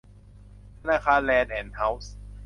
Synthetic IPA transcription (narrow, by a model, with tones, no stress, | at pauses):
t̪ʰa˧naː˧kʰaː˧nlɛː˧nʔɛː˩nha˦˥ws